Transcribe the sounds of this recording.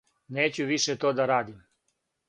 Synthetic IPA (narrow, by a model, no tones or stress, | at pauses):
neːt͡ɕuʋiʃet̪oːd̪aɾaːd̪im